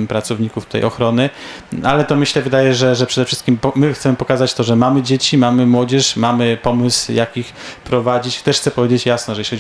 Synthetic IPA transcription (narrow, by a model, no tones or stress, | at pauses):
mpɾat̪sɔvɲikuft̪u̥t̪a̰jʔɔxɾɔnɘ | ʔalɛt̪ɔmɘɕlɛvɘd̪ajɛʐɛʐɛpʂɛd̪ɛfʂɘst̪̚kʲimpmɘxt̪sɛmɘpɔkazat͡ɕt̪ɔʐɛmamɘd͡ʑet͡ɕimamɘmwɔd͡ʑɛʂmamɘpɔmɘsjakʲixpɾɔvad͡ʑit͡ɕt̪ɛʂxt̪sɛpɔvʲjed͡ʑet͡ɕjasnɔʐɛjixɔd͡ʑ